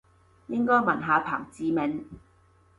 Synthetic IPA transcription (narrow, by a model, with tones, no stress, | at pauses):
jɪ˥ŋkɔː˥jmɐ˨˩nɦaː˨˧pʰa̰ː˨˩ŋt͡siː˨mɛ˨˧ŋ